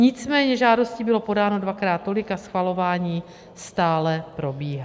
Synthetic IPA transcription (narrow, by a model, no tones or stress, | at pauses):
ɲɪt͡smɛːɲɛʒaːdo̞sciːbɪlo̞po̞daːno̞dvakɾaːt̪̚ːo̞lɪkasxvalo̞vaːɲiː | st̪aːlɛpɾo̞biːɦa